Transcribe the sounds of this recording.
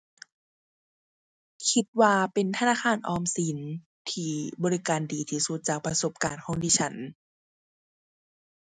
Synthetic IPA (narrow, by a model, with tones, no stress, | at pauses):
kʰi˧˥t̪̚waː˧pe˨nt̪ʰa˧naː˧˥˩xʰaː˧˩nʔɔː˧˩msi˨˦n | t̪ʰiː˧˩bɔː˨˧ɾi˦˧kaː˨ndiː˨t̪ʰiː˧˩su˧˦t̪̚t͡ɕaː˨˩k̚pɾa˧so˧˦p̚kaː˨nkʰɔː˧˥˦ŋdiː˧˩t͡ɕʰa˦˥n